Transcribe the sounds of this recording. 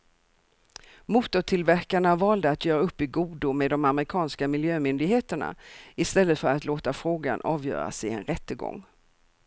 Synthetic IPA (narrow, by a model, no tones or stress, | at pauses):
muːt̪ʊʈʰɪlvæɾkaɳavɑːld̪əat̪jœːɾaɵpːɪɡuːd̪ʊmeːd̪ɔmamɛɾɪkʰɑːnskamɪljøːmʏnd̪ɪɡɦeːt̪əɳa̰ɪst̪ɛlːət̪fœɾat̪loːt̪afɾoːɡa̰nʔɑːvjœ̰ːɾa̰sɛɛ̰nɾɛt̪ːəɡɔ̰ŋː